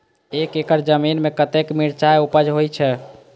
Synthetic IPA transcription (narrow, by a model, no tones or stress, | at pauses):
ekekəɾd͡ʒəminmekət̪ekmiɾt͡ʃaeupəd͡ʒɦojt͡ʃʰɛ